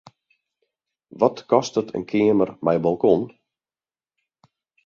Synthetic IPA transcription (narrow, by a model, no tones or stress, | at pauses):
ʋɔtkɔstətʰə̰nkʰɪəmərmɛjbɔlˠkɔn